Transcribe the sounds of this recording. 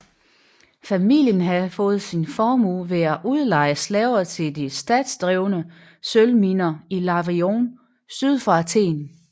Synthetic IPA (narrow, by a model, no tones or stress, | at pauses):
fæmiljənɦæfɔ̽ːð̞̩ˠsinfɒːmṵʋe̝æʔuðˠlɑ̈ɪ̰əslɛʊɐt͡sʰe̝ld̥isd̥ɛ̰ːd̥sd̥ʁɛʊnə | sølminɐilɑ̈ʋʁioːn | syð̞ˠfɑt͡sʰe̝̰ːn